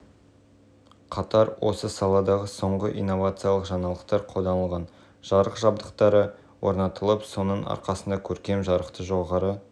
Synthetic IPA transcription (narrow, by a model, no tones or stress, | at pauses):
qʰɑt̪ɑɾwʔo̞̰səsɑlˠɑd̪ɑʁəso̞ɴʁəʔḭjnːo̞vat̪sɨjalˠəqʒɑnɑlˠəqt̪ɑɾqʰold̪ɑnəlˠʁɑn | ʒ̥ɑɾəqʒɑbd̪əqt̪ɑɾə | wo̞̰ɾnɑt̪əlˠəpso̞nəɴɑ̰ɾqɑsənd̪ɑkʲʰɵɾkʲe̞mʒɑɾəqt̪əʒo̞ʁɑɾə